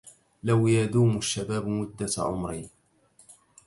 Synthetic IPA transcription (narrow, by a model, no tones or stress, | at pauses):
lawjad̪uːmʊʃːabaːbmʊd̪ːaʕʊ̰mɾɪ̰